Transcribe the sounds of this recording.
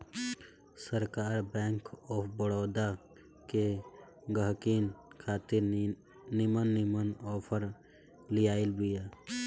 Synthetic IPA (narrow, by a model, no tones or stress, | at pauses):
səɾkaːɾbɛ̃ːŋkɔːpʰbəɽoːd̪a | ke | ɡəɦkiːnkʰaːt̪ɪɾ | nɪmənːɪmənɔːpʰəɾ | lijaːɪlbijaː